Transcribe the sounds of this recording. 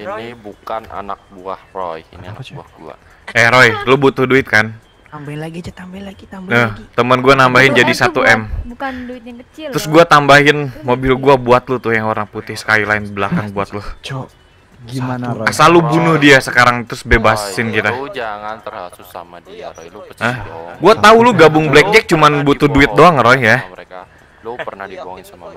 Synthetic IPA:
inibukana̰nak̚buahrojinia̰nk̚bua̰hɡua̰ | eɾojlubut̪ʊhduɪt̪̚kan | əht̪əmənɡuanambaɦɪnd͡ʒadisat̪uʔɛm | t̪ɾʊsɡuat̪ambaɦɪnmobɪlɡuabuat̪lʊht̪ʊhjaŋoɾnaŋput̪ɪhsə̥kailaɪnbəlakanbuat̪lʊh | asalubunʊhdiasəkaɾaŋt̪ɾʊsbebasɪnkit̪a | ʔəhɡuat̪aulʊɡabʊŋblɛk̚d͡ʒɛk̚t͡ʃumanbut̪uduɪt̪̚doaŋəɾoja

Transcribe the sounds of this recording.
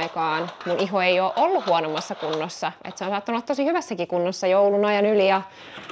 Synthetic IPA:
ikɑːnmuniɦoejoʔolːuhuonomːɑsːɑkunːosːɑḛt̪seonsɑt̪ːɑnulːɑt̪t̪osihyʋæsːækikunːosːɑjoulunɑjɑnylijɑ

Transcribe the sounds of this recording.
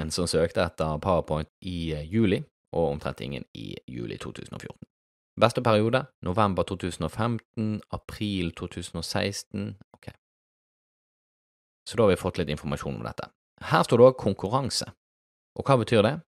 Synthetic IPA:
ənsɔmsøːkt̪əɛt̪ːəʁpʰɑʋəpʰɔʏnt̪ɪjʉːlɪ | ʔɔʊɔmt̪ʰʁɛ̰nt̪ɪ̰ŋːə̰nɪ̰jʉ̰ːlɪ̰t̪ʰṵːt̪ʰʉ̰ːsn̩o̰fjʊ̰ʁt̪n̩ | bɛst̪əpʰæʁɪuːd̪ənʔʊʋɛmbəʁt̪ʰuːt̪ʰʉːsn̩oːfɛmt̪n̩ɑpʰʁiːlt̪ʰuːt̪ʰʉːsn̩oːsæɪst̪n̩kʰɛ | sɔd̪oːhɑʋɪfɔt̪ʰːlɪt̪ɪnfɔʁmɑʃuːnʊ̰md̪ɛ̰t̪ʰːə̰ | hæːʁst̪uːʁd̪oːkʰʊŋkʉʁɑŋsə̰ | ʔɔkʰɑːbət̪ʰyːʁd̪ɛ

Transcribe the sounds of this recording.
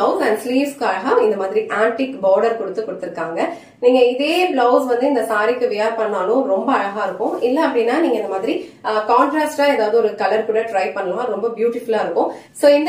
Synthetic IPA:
ɐʊsɐ̃nɖsliːʋskːɯɐɻɐɣaːɪnd̪ɐmaːðɪɾiʔaːɳʈikbaːɾɖɐɾkɔɽɯt̪ːɯkːɔɽɯt̪ːɯɾɯkːaːŋɡɐ | niːŋɡɐɪðeːblɐʊsʋɐnd̪ɯɪnd̪ɐsaːɾɪkːɯʋɪjaːɾpɐɳːaːlʊ̃ɾɔmbɐɐɻɐɣaːɪɾɯkːʊ̃ɪlːɐɐpːɐɽɪnːaːniːŋɡɐɪnd̪ɐmaːðɪɾikaːɳʈɾaːsʈaːeːðaːʋðɯɔɾɯkɐlɐɾkuːɽɐʈɾɐɪpɐɳːɐlãɾɔmbɐbjuːʈɪfʊlaːɪɾɯkːʊ̃soːɪnd̪

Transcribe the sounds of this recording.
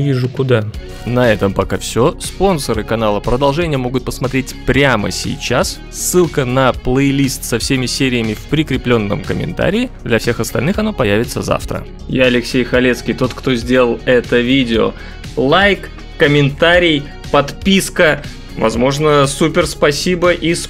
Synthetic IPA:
vʲiʐʊkʊd̪a | nɐɛt̪əmpɐkafsʲo̞spo̞nsəɾɨkɐnalˠəpɾəd̪ɐlˠʐɛnʲɪjəmo̞ɡʊt̪̚pəsmɐt̪ɾʲetʲpɾʲamə̰sʲɪ̰jt͡ɕas | sːɨlˠkənɐplˠəjlʲist̪sɐfsʲemʲɪsʲeɾʲɪjəmʲɪfpɾʲɪkɾʲɪplʲo̞nːə̰mkəmʲɪ̰nt̪a̰ɾʲɪːd̪lʲɐfsʲe̞xɐst̪ɐlʲnɨxɐnapɐjævʲɪt̪səza̰ft̪ɾə̰ | jaɐlʲɪksʲejxɐlʲet̪skʲɪjt̪o̞t̪kt̪o̞zʲdʲe̞lˠəlˠɛt̪əvʲidʲɪo̰ | lˠajkː | əmʲɪnt̪aɾʲɪj | pɐt̪pʲiskə | vɐ̰zmo̞ʐnəsupʲɪrspɐsʲibəʔis

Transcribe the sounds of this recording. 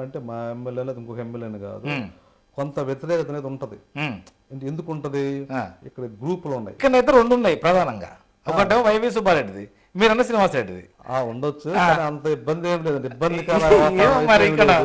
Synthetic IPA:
ɐɳʈeːmaːemːeljeːleːd̪iŋkokɐemːeljeːniɡa̰ːd̪u | kont̪ɐʋjɐt̪iɾɛːkɐt̪ɐneːd̪uɳʈɐd̪i | ɐɳʈend̪ukuɳʈund̪iikːɐɽɐɡɾuːpuluɳːa̰ːjikːɐɳɖɐjt̪̬eɾoɳɖunːaːjipɾɐd̪ʱaːnɐŋɡa̰ː | ɔkɐɳʈemʋɐjʋis̬ubaɾeɖid̪i | miːɾɐnːɐsiniʋaːsɾeɖid̪ḭ | aːuɳɖot͡ʃːukːaːniɐnt̪ɐibːɐnd̪eːmileːd̪ɐɳʈibːɐnd̪ikɐːlamɐɾiikːɐɽɐ

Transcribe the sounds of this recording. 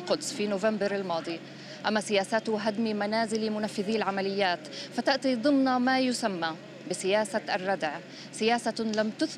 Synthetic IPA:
qʊd̪sˤfinoːvambɪɾalmɑːd̪ˤi | ʔamːasɪjaːsat̪ʊɦad̪mimanaːzɪlimʊnafːɪðiːlʕamalɪjːaːt̪fat̪aʔt̪ˤid̪ˤɨmnamajʊsamːa | bɪsɪjaːsaʔrˤːɑd̪ʕ | sɪjaːsalamt̪ʊθ

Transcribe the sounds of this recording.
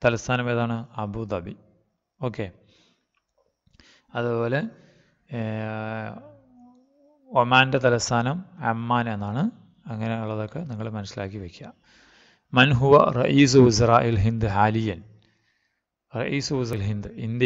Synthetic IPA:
t̪ɐlɐst̪ʰaːnɐmeːðaːɳɨɐbuːd̪ɐbi | o̞ːkːe | ɐðubo̞ːle̞ | ɐmaːndet̪ɐlɐst̪ʰaːnɐmɐmːaːne̞nːaːɳɨ | ɐŋːɐne̞uɭːɐðo̞kːe̞niŋːɐɭmɐnɐsːilaːkːiʋekʲːua | mɐnɦuʋɐ̰rɐ̰ʔiːs̬uusɐraːʔilɦind̪ɨɦaːlijɐn | rɐ̰ʔiːsuuzɐlɦind̪ɨind̪

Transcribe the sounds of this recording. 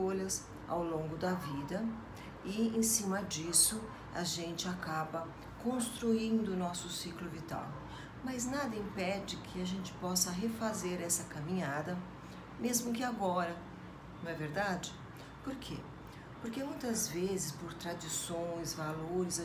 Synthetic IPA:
olɐs | a̰wlõɡʊd̪ɐvid̪ɐ | ɪẽsĩmɐd͡ʒisʊ | ɐ̰ʒẽnt͡ʃɪakabɐ | kõst̪ɾuĩnd̪ʊnɔsʊsiklʊvit̪a̰w | mɐznad̪ɐĩpɛd͡ʒɪkʰɪaʒẽnt͡ʃɪ̥pɔsɐɦefazeɾɛsɐkamĩɲad̪ɐ | mezmʊkɪaɡɔɾɐ̃ | w̃ɛveɾd̪ad͡ʒɪ | poɾkʰḛ | poɾkemũj̃t̪ɐzvezɪspoɾt̪ɾad͡ʒisõj̃zvaloɾɪz

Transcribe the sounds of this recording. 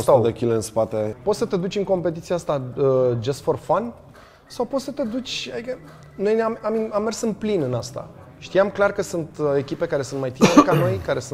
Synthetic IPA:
osad̪ekʲileɨnspat̪epo̞t̪sət̪e̞d̪ut͡ʃʲɨŋko̞mpe̞t̪it̪siaast̪aəd͡ʒesfo̞rfan | sawpot̪sət̪e̞d̪ut͡ʃʲad̪ikə | no̞jnamamiamːe̞rsɨnplinɨnast̪a̰ | ʃt̪ijamklarkəsunt̪e̞kʲipekaɾe̞sunt̪majt̪iekano̞jkaɾe̞s

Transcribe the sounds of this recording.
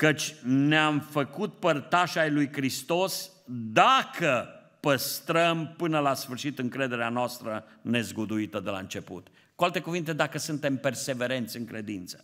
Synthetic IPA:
kət͡ʃʲneamfəkut̪̚pərt̪aʃajlujkɾist̪o̞s | d̪akʰə | pəst̪ɾəmpɨnəlasfɨrʃit̪ɨŋkɾe̞d̪e̞ɾeanoast̪ɾəne̞zɡud̪uit̪əd̪e̞la̰ɨnt͡ʃe̞pṵt̪ | kualt̪e̞kuvint̪e̞d̪akəsunt̪e̞mpe̞rse̞ve̞ɾe̞nt̪sʲɨŋkɾe̞d̪int̪sə̥

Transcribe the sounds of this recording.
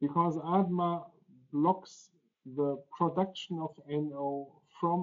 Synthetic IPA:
b̥ɨkʰɔzædma | blɔks | ðəpʰɹ̥ɔdʌkʃə̃nɔvɛ̃noʊ | fɹɔ̃m

